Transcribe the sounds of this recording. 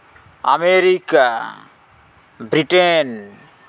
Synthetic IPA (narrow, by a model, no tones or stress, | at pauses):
ɐ̰meɾikːa | bɾiʈen